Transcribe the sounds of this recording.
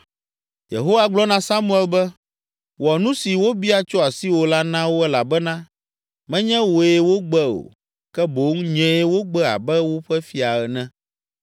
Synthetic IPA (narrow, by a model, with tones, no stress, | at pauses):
jḛ˨ɦo˦wa˦ɡ͡blɔ˦nã˦sa˦mũ˦ɛ˦lbɛ˦ | wɔ˨nũ˦si˨wo˦bi˦a˨t͡ʃɔ˦a˨si˦wo˨la˦nã˦wo˦ɛ˦la˨bɛ˦nã˦ | mɛ̃˦ɲɛ̃˦wo˨e˦wo˦ɡ͡bɛ˦o̰˨ | kɛ˦bo˨˦ŋ˦ɲɛ̃˦e˦wo˦ɡ͡bɛ˦a̰˨bɛ˦wo˦ɸɛ˦fi˦a˨ɛ˨nɛ̃˦